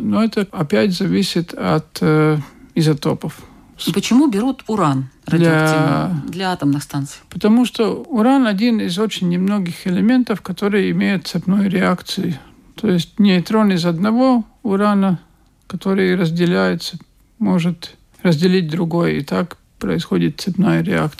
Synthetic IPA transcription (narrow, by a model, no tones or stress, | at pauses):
noɛt̪əɐpʲætʲzɐvʲisʲɪt̪ɐt̪ | ɪzɐt̪opəf | pət͡ɕɪmubʲɪɾut̪ʊɾanrɐdlʲaad̪lʲɐat̪əmnɨxst̪ant̪sɨ̥jpət̪ɐmuʂt̪oʊɾanɐdʲinɪzo̞t͡ɕɪnʲːɪmnoɡʲɪxɪlʲɪmʲe̞nt̪əfkɐt̪o̞ɾɨjəɪmʲejʊt̪̚t̪sɪpnojɾʲɪakt̪sɨjɪ | t̪ʰojɪsʲt̚ʲnʲɪɪt̪ɾonɪzɐd̪nɐvo | ʊɾanə | kɐt̪o̞ɾɨjəɾəzʲdʲɪlʲæjʊt̪sə | moʐɨt̪ | rəzʲdʲɪlʲit̚ʲd̪ɾʊɡo̞jḭt̪ak | pɾə̰ɪsxodʲɪt̪̚t̪sɨpnajəɾʲɪa̰k